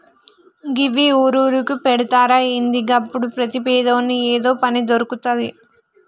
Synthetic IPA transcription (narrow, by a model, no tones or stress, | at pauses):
ɡɪʋiuɾuːɾɯkːɯpɛɽɯt̪ːaːɾaːɪnd̪iɡɐːpːʊɽɯpɾɐt̪ipejðoːnːɯeːðoːpɐnid̪ɔɾɯkːɯt̪ːɐðɯ̰